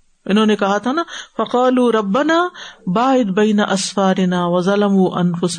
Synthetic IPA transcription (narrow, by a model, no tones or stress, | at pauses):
ʔɪnɦoːnekɐɦat̪ʰanafɐqɑːluːɾˤɐbːɐnaːbaːʕɪd̪bɐjnɐʔɐsfaːɾɪnaːwɐzɐlɐmuːʔɐ̰nfʊs